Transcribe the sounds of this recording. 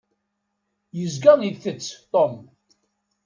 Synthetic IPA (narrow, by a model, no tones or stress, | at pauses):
jəzɡəniðθət͡sːt̪ˤom